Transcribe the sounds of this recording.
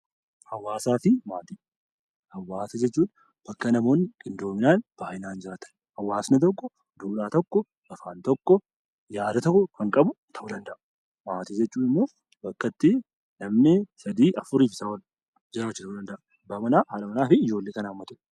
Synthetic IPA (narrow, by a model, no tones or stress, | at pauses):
hɐwːaːsaːfɪmaːt̪iː | hɐwːaːsɐd͡ʒɛt͡ʃːuːᶑ | b̥ɐkːɐnɐmo̞ːnːɪkʼɪnd̪o̞ːmɪnaːnb̥aːʔɪnaːnd͡ʒɪɾaːt̪ɐ̥n | hɐwːaːsnɐt̪̬ɔkːɔ | d̪uːᶑaːt̪ɔkːɔ | ɐfaːnt̪ɔkːɔ | jaːd̪ɐt̪ɔkːɔkɐŋkʼɐbʊt̪ʰɐʔʊd̪ɐnd̪ɐʔ | maːt̪iːd͡ʒɛt͡ʃːuːnɪmːoː | bɐkːɐt̪ːɪ | nɐmnɪsɐd̪iːʔɐfʊɾiːfsɐwɐl | d͡ʒɪɾaːt͡ʃːɪt̪ɐʊd̪ɐnd̪ɐʔɐ | bɐmɐnaːhaːlɐmɐnaːfɪɪd͡ʒo̞ːlːeːkɐnamːɐt̪ʊʔ